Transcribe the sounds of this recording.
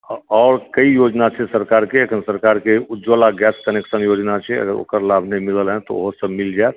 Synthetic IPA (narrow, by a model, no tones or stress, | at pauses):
ɔːɾkəijod͡ʒnat͡ʃʰɛsəɾkaɾkeəkʰənsəɾkaɾkeud͡ʒolaɡɛskəneksənjod͡ʒnat͡ʃʰɛə̰ɡəɾo̰ːkəɾlabʱnemiləlɦɛ̃t̪ɔ̰o̰ɦosəbmild͡ʒaet̪̚